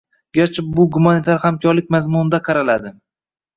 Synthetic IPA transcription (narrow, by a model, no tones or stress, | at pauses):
ɡʲaɾt͡ʃʰabʊɡʊmanit̪ʰaɾhamkʲʰɒɾlɪk̚ʲmazmʊnɪd̪aqʰɑɾalad̪ɪ